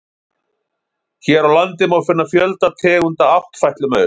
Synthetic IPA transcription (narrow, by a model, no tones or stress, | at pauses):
çɛɾawlant̪ɪmawfɪnːafjœlt̪at̪ʰɛːɣʏnt̪aaht̪fajht̪lʏmœːðʏ